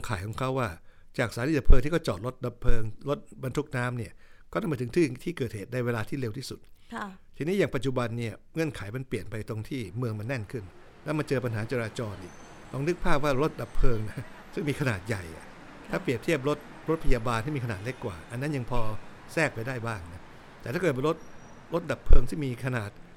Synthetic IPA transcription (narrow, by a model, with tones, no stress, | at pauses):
ŋkʰa˩˦jkʰɔː˨˩˦ŋkʰa˦˥waː˥˩ | t͡ɕaː˨˩k̚saː˨˦niː˧˥˩da˨˩pʰɤː˧ŋt̪ʰiː˥˩kʰɔ˥˩t͡ɕɔː˨˩t̪̚lo˦˥t̪̚da˧˩pʰːɤː˧ŋlo˦˥t̪̚ba˧nt̪ʰu˦˥k̚naː˦˥mni˥˩ɐkɔː˥˩˥ma˧˦t̪ʰŋt̪ʰiː˥˩t̪ʰiː˥˩kɤː˨˩t̪̚heː˨˩t̪̚na˧jweː˧laː˧t̪ʰiː˥˩le˧wt̪ʰiː˥˩su˨˩t̪̚t̪ʰiː˧niː˦˥jaː˨˩ŋpa˨˩t̪̚t͡ɕu˨˩ba˧nːi˥˩ɐŋɤ˧ə˨nkʰa˩˦jma˧npli˨˩ənpa˧jt̪o˧ŋt̪ʰiː˥˩mɯ˧əŋma˧nːɛ˥˩nkʰɯ˥˩n | lɛ˦˥wma˧nt͡ɕɤː˧pa˧nɦaː˩˦t͡ɕaː˧ɾaː˧t͡ɕɔː˧nʔḭ˨˩ | k̪ɔː˧ŋnɯ˦˥k̚pʰaː˥˩p̚waː˥˩ɾo˦˥t̪̚da˨˩pʰːɤː˧ŋna˦˥ | sɯ˥˩ŋmiː˧kʰnaː˨˩t̪̚ja˨˩jʔa̰˨˩ | t̪ʰaː˥˩pli˨˩əp̚t̪ʰi˥˩əp̬̚ɾo˦˥t̪̚ | ɾo˦˥t̪̚pʰa˧jaː˧baː˧nt̪ʰiː˥˩miː˧kʰa˧nːaː˨˩t̪̚le˦˥kːwa̰ː˨˩ʔa˧nːa˦˥nja˧ŋpʰɔː˧ | sɛː˥˩k̚pa˧jdaː˥˩jbaː˥˩ŋna˦˥ | t̪ɛː˨˩aː˥˩kɤː˨˩˧ɾo˦˥t̪̚ | ɾo˦˥t̪̚da˨˩pʰːɤː˧ŋt̪ʰiː˥˩miː˧kʰa˧naː˨˩t̪̚